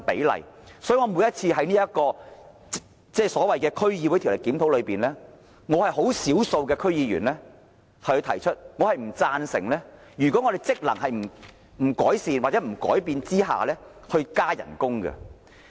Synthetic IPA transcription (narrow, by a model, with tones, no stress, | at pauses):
pḛ˨˥jlɐ̰˨˩j | sɔ˨˥jy˨˧ŋɔː˨˧muː˨˧jɐ˥t̚t͡sʰiː˧ɦɐ˨˥jniː˥jɐ˥kɔː˧ | t͡sɛː˥˩sɔː˨˥wɐ˨jkɛː˧kʰɵ˥ɥjiː˧wu˨˥t̪ʰi˨˩˨le˨˩kːiː˨˥mt̪ʰo˨˥wlɵ˨˧ɥpiː˨˩nlɛː˥ | ŋɔː˨˧hɐ˨jɦo˨˥wsiː˨˥wso˧wkɛː˧kʰɵ˥ɥjiː˨˧ɥyː˨˩nlɛː˥ | hɐ˨˩hɵ˧t̪ʰɐ˨˩jt͡ʃʰɵ˥t̚ŋɔː˨˧hɐ˨jm̩˨˩t͡saː˧nsɪ̰˨˩ŋlɛː˥ | jyː˨˩kɔː˨˥ŋɔː˧ɾe˨jt͡sɪ˥k̚lɐ̰˨˩ŋhɐ˨jm̩˨˩ | m̩˨˩kɔː˨˥jsiː˨nwaː˨t̚t͡sɛ˨˥m̩˨˩kɔ̰ː˨˥jpiː˧nt͡siː˥ha̰ː˨lɛː˥ | hɵ˧ɥkaː˥jɐ̰˨˩nkʊ˥ŋɡɛ̰˧